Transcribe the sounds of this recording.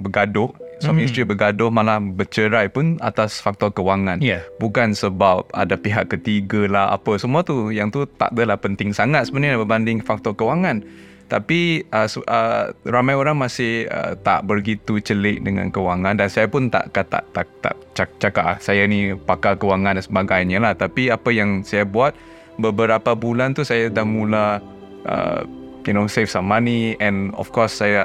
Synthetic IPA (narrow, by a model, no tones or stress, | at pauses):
bəɡadʊhsɔmistɾibəɡadʊhmalabət͡ʃəɾajpʊna̰t̪asfak̚t̪ɔkəwaŋãnbukansəbap̚a̰dapiɦaʔkːət̪iɡalaha̰pəsəmuat̪ujaŋt̪ut̪a̰ʔdəlahpənt̪ɪŋsaŋat̪̚səbənəabəbandɪŋfak̚t̪ɔrkəwaŋan | t̪apiʔəsəramajoɾaŋmasɪhə̰t̪a̰ʔbərɡit̪ut͡ʃəlɪʔ̚dəŋã̰nkəwaŋãndansajapʊnt̪a̰ʔkat̪a̰ʔt̪a̰t̪a̰ʔt͡ʃat͡ʃakaʔsajainipakakəwaŋãnsəbaɡajɲalaht̪apiapəjaŋsajabuat̪̚ | bəbəɾapabulant̪usajadahmula | ʔə̰ | junosefsamːaniɛ̃nɔ̰fkɔsːaja